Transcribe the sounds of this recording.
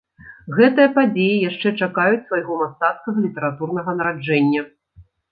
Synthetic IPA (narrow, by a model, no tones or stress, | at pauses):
ɣɛt̪ɨjɐpad͡zʲejijaʂt͡ʂɛt͡ʂakajut͡sʲsvajɣɔmast̪at̪kɐɣɐlʲit̪ɛɾat̪urn̪ɐɣɐnɐɾad͡ʐɛnʲːɐ